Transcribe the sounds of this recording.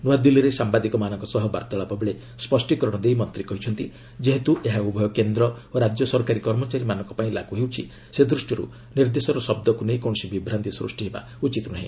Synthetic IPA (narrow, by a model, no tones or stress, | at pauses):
nuad̪iliɾesambad̪ikɔmanɔŋkɔsɔɦɔba̰ɾt̪ɔɭapɔbeɭe | spɔsʈikɔɾɔɽ̃ɔd̪ejmɔnt̪ɾikɔɦit͡ʃʰɔnt̪i | d͡ʒeɦet̪uʔeɦaubʱɔjɔkend̪ɾɔoɾad͡ʒjɔsɔɾkaɾikɔɾmɔt͡ʃaɾimanɔŋkɔpaĩla̰ɡuɦewt͡ʃʰi | sed̪ɾusʈjɔɾṵ | niɾd̪esɔɾɔsɔbd̪ɔkunejkɔɳ̃ɔsibibʱɾant̪isɾṵsʈiɦeba̰ | ut͡ʃit̪ɔnaɦḭ̃